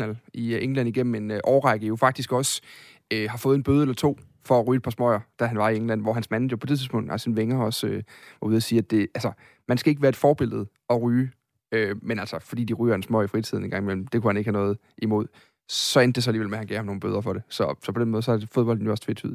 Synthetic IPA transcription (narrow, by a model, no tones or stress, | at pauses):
nælʔieŋlæn̰iɡ̥em̰m̩e̝nʔɒʊʁɑ̈ɪɡ̥əjo̝fɑ̈ɡ̥̚d̥isɡ̥ɒ̽s | øhɑ̈fɔ̽ːð̩ˠe̝nb̥øːðˠelɐt͡sʰo̝̰ː | fɒ̽æʁyːe̥pʰɑ̈smɒɪɐd̥æɦænʋɑ̈ieŋlæn̰ʋɒɦænsmænjopʰɒ̽deðˠʰið̩ˠspʰɔ̽ŋ̰d̥ælsenʋeŋɐɒ̽søʋɑ̈uðˠɐsiːæd̥e̝ælsɐ | mænsɡ̥æeɡəʋæːɐed̥fɒːb̥e̝l̰ð̞̩ˠ | ɒ̽ʁyː | ømenælsɐfɒ̽d̥ḭːd̥iʁy̰ːɐdensmɔɪ̰ifʁit͡sʰiðˠn̩eŋɡɑ̈ŋimel̰m̩d̥e̝kʰuhæne̝ɡ̥hænɔ̽ːð̞̩ˠ | ʔimo̝ð̞̰ˠ | sɒ̽end̥es̬ɑæliːʋelmehænɡ̥ɛhmno̝ːn̩bø̰ːð̞ˠɐfɒ̽ɾe̝sɒ̽sɒ̽pʰɒd̥enmɔð̩ˠsɒ̽æfo̝ð̞ˠb̥ɒ̽ld̥̚n̩jo̝ɒ̽st͡sʰʋe̥t͡sʰy̰ðˠ